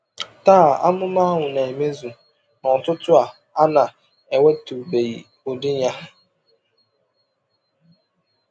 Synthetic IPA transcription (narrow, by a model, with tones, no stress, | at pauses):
taː˦˨a̰˦mʊ˦ma˦ɦʊ˨ne˨e˨me˦zu˨ | nɔ˨tʊ˦tʊ˦a˨ | a˦na˨ | e˨we˦tu˨be˨i˨ | o˨dɪ˦ɲa˦